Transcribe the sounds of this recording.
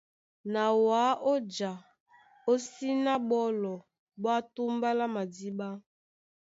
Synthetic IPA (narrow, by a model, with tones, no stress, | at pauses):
na˨wa˨˦ʔo˦d͡ʒa˨ | o˦si˦na˦ɓɔ˦lɔ˨ | ba˦tu˦mba˦la˦ma˨di˦ba˦